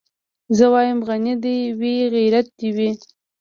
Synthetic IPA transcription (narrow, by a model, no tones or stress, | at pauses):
zəwɑjəmɣanid̪ajwiɣijɾat̪̚d̪iwi